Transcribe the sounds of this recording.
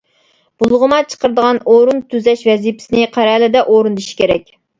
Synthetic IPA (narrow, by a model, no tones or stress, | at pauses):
b̥ulˠʁəmɑt͡ʃʰə̥qəɾɨd̪əʁɑnoɾunt̪ʰyzɛʃvɛzipʰɪ̥sɪnɪqʰæɾɛlɪd̪ɛʔoɾund̪ɨʃi̥kʲʰeɾɛk̚ʲ